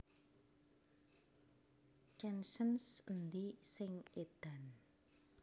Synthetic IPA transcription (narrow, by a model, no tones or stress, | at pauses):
kɛnʃənsənd̪isɪŋed̪̥an